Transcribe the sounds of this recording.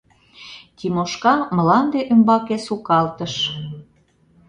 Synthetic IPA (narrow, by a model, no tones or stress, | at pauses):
t̪ʲimoʃkɑməlɑnd̪eʔømbɑkesukɑlt̪əʃ